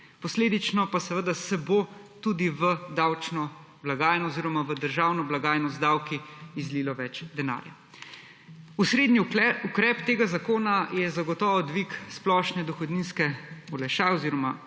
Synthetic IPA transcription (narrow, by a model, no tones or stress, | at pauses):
pɔsleːd̪it͡ʃnɔpasɛʋəd̪asɛbot̪ud̪iʋəd̪awt͡ʃnɔ | blaɡaːjnɔoziːɾɔmaʋəd̪əɾʒaːwnɔblaɡaːjnɔzd̪awkiizliːlɔʋɛt͡ʃd̪ɛna̰ːɾja̰ | usɾeːd̪niukɾɛpt̪eːɡazakoːnajɛzaɡɔt̪ɔːʋɔd̪ʋiksplɔʃnɛd̪ɔxɔd̪ninskɛɔlɛʃaːɛoziːɾɔma